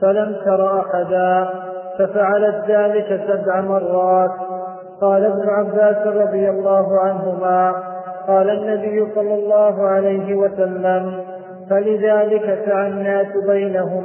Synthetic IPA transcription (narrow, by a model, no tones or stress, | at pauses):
falamt̪ɑɾˤɑʔaħaðaː | fafaʕalat̪ðaːlɪkasabʕamɑrˤːɑːt̪ | qɑːlaʔabnʊʕabːaːsrˤɾˤɑd̪ˤɨjalːɑːɦʊʕanɦʊmaːqɑːlaʔnːabɪjːʊsˤɑlːɑlˤːɑːɦʊʕalajɦɪwasalːam | falɪðaːlɪkafaʕanːaːsbajnaɦʊm